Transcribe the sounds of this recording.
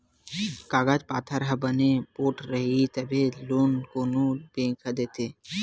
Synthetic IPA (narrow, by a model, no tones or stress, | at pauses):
kaɡad͡ʒpat̪ʰaɾɦabənepoʈɾəɦit̪ɛbelonkonobẽŋkʰad̪et̪e